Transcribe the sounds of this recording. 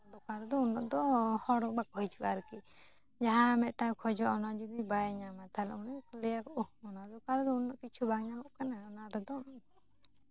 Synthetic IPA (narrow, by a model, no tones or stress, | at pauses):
d̪ɔkaɾd̪ɔunːɔʔd̪ɔhɔɽɔbakɦɔjt͡ʃukaɾki | d͡ʒaɦãmɛt̪̚ˀʈakʰɔd͡ʒɔʔɔnad͡ʒud̪ibajɲamat̪ʰalɛunɔklɛjakɔʔɔɔnad̪ɔkaɾd̪ɔunːɔʔkit͡ʃʰubʱaɡɲamɔʔkanaɔnaɾɛd̪ɔ